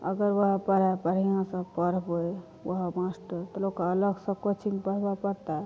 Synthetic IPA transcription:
ə̰ɡəɾwəɦəpəɾ̤apəɾ̤ijãsə̃pəɾboe | wəɦmasʈəɾt̪əlokaələɡsə̃kot͡ʃʰiŋpəɾ̤bapəɾt̪a

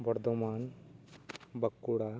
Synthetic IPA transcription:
bɐɾd̪omaːn | bɐkːuɽa

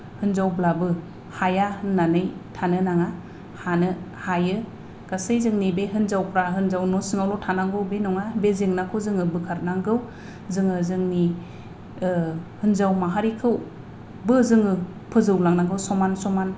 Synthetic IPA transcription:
hɯnzawblabɯ | hajahɯnːanɯjtʰanɯnaŋa | hanɯhajɯ | ɡ̥asɯjzɯŋnibeɦɯnzawkʰɾaɦɯnzawnɔsɯŋawlɔtʰanaŋɡɯwbenɔŋabezeŋnakʰɯzɯŋɯbɯkʰaɾ̚naŋɡɯw | zɯŋɯzɯŋni | hɯnzawmaɦaɾikʰɯw | bɯzɯŋɯ | pʰɯzɯwlaŋnaŋɡɯwsɔmansɔman

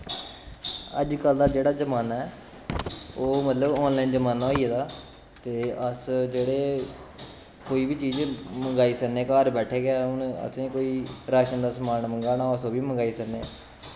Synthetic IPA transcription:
ə̰d͡ʒkəld̪aːd͡ʒeːɽaːd͡ʒəmaːnaːɛː | oːmət̪ləbɔːnlaːind͡ʒəmaːnaːoːieːd̪aː | t̪eːəsd͡ʒeːɽeː | koːiːbʱiːt͡ʃiːd͡ʒməŋɡaːiːsəneːkaːɾbɛːʈʰeːɡaːʊnə̰t̪ʰẽːkoːiːɾaːʃənd̪aːsmaːnməŋɡaːnaːəsoːbiːməŋɡaːiːsəknḛː

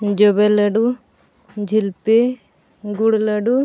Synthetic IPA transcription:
d͡ʒɔbeləɖu | d͡ʒʱilpe | ɡuɽləɖu

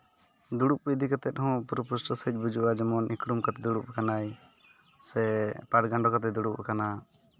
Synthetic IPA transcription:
d̪uɽuʔ̚əjd̪ikat̪ɛt̪̚hɔ̃puɾpusʈəsəc̚ˀbud͡ʒuʔad͡ʒɔmɔnikɾumkat̪ɛd̪uɽupakanaj | sɛpaʈɡaɳɖɔkat̪̬ɛd̪uɽuʔa̰kana

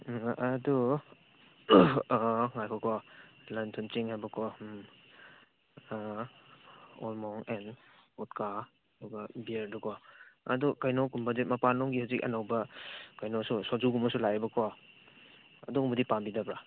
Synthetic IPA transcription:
ɐdu | ŋajkʰɔkʰɔlantʰunt͡ʃiŋhajbɐkʰɔ | ɔ̰lmɔŋɛn | ɔt̚ka | dɔɡabiɾdukʰɔɐ̰dukajnɔkumbadet̚mɐpanɔŋɡihazik̚ɐ̰nawbɐkajnɔsusɔd͡ʒuɡumɐsulajbɐkʰɔ | ɐ̰dumudipambidabɾa

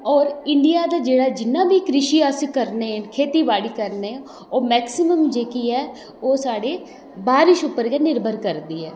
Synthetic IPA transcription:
ɔːɾɪɳɖijaːd̪aːd͡ʒeːɽaːd͡ʒɪnːãːbiːkɾɪʃiːəskəɾneːkʰeːt̪iːbaːɽiːkəɾneː | oːmɛːksɪməmd͡ʒeːkiːɛː | oːsaːɽeː | baːɾɪʃʊpːəɾɡɛːnɪɾbʱəɾkəɾd̪iːɛː

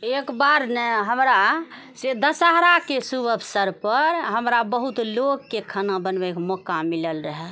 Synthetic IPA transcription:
ekbaɾneɦəmɾa | sed̪əsəɦɾakesubəpʰsəɾpəɾɦəmɾabəɦut̪loɡːekʰənabənbekmɔkamiləlɾəɦɛ

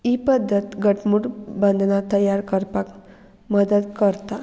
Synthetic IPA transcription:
ipəd̪ʱːət̪ɡəʈʰmuɽbənd̪ʱnat̪əjaɾkəɾpak | məd̪əd̪kəɾt̪a

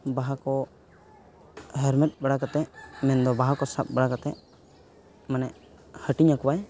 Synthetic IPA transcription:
baɦakɔ | ɦɛɾmɛt̪̚ˀbaɽakat̪ɛʔmɛnd̪ɔbaɦakɔsap̚baɽakat̪ɛʔ | manɛʔ | həʈiɲakɔwaj

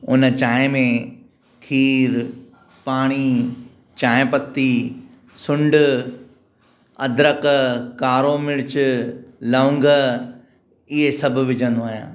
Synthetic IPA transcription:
ʊnt͡ɕaːẽmẽ | kʰiːɾ | paːɽ̃i | t͡ɕaːẽpɐt̪ːi | sʊ̃ɳɖʊ | ɐd̪ʱɾəkkaːɾomɪɽɪt͡ɕ | lɐʊ̃ŋɡə | ɪɦesɐbʱʊ̆ʋɪd͡ʑʱə̃nd̪oaːɦja̰ː

